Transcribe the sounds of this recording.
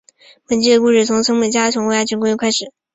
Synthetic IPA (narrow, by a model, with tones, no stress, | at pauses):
pə˨˩nt͡ɕi˥˩d̪ə˨ku˥˧ʂɻ̩˥˩t͡sʰʊ˧˥ŋsɤ˥ŋmə˥˩t͡ɕja˥t͡ɕʰʊ˧˥ŋwja˥˩t͡ɕʰi˧˥ŋkʊ˥jkʰa˥ɪʂɻ̩˨˩˦